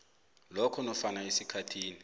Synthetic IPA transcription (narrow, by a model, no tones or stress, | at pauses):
lɔkʰɔnɔfanaesikʰatʰiːni